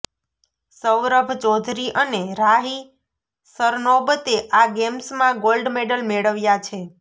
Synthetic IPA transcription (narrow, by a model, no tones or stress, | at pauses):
səwɾəbʱt͡ʃɔd̪ʱɾiʔəneɾaɦi | səɾnobət̪eʔaɡemsmãɡolɖmeɖəlmeɭəʋjat͡ʃʰe